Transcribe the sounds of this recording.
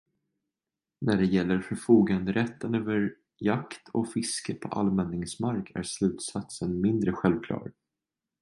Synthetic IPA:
næɖɛjɛlːəɾfœɾfuːɡand̪əɾɛt̪ːənøːvəɾ | jakt̪ʰɔkfɪskəpʰɔ̰ʔa̰lmɛnːɪŋsmaɾkʰæ̰ɾslʉ̟ːt̪sat̪sənmɪnd̪ɾəɧɛlvkʰlɑ̰ːɾ

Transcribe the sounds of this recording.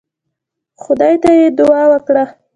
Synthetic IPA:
xʊd̪ɑjt̪ajed̪ʊɑwəkɽa

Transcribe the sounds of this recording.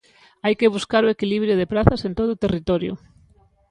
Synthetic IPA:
ajkeβ̞uskaɾʊekiliβɾjʊð̞epɾaθɐsent̪oð̞ʊːt̪erit̪ɔɾjʊ̰

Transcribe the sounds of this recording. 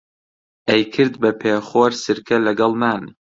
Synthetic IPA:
ʔɐjkʰɨɾd̪bɐpʰeːχoːɾsɨɾkʰɐlɐɡɑlˠmaːn

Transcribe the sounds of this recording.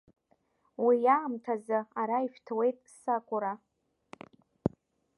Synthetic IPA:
wijaːmtʰazɨaɾaifᶣtʰwe̞jtʼsakʷʼʊɾa

